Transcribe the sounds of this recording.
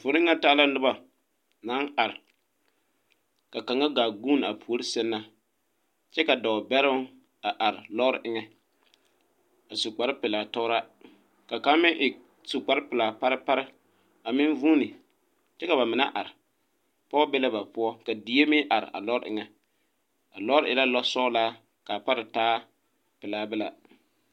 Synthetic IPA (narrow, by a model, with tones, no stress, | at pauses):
vʊ˨nɪ˦ŋa˦taː˦la˦nʊ˦ba˨ | na˨˦ŋa˨ɾɪ˨ | ka˨ka˨ŋa˦ɡaː˨ɡu˦n˨a˨pʰu˨o˦ɾi˦sɛ˦nːa˦ | t͡ʃɛ˦ka˨dɔ˨bɛ˦ɾʊ˦ŋ | a˨ʔa˨ɾɪ˨lɔ˦ɾʔɪ˦ŋɛ˦ | a˨sʊ˨k͡pa˨ɾɪ˦pɪ˨la˨tɔ˦ɾa˦ | ka˨ka˦mɪ˦ʔɪ˨ | sʊ˨k͡pa˨˦ɾɪ˦pɪ˨la˨pa˦ɾɪ˦pa˦ɾɪ˦ | a˨mɪ˦n˦vuː˦nɪ˨ | t͡ʃɛ˦ka˨βa˨mɪ˨na̰˦ʔa˨ɾɪ˨ | pɔ˦bɛ˦la˦ba˨pʊ˦ɔ˦ka˨di˨˦e˦mɪ˦ʔa˨ɾɪ̰˨ʔa̰˨lɔ˦ɾɪ̰˦ʔɪ̰˦ŋɛ˨ | a˨lɔ˦ɾɪ˦˨ɪ˨la˦lɔ˦sɔ˦laː˦ | ka˨pa˦ɾɪ˨taː˦ | pɪ˨laː˨˦bɛ˦la˨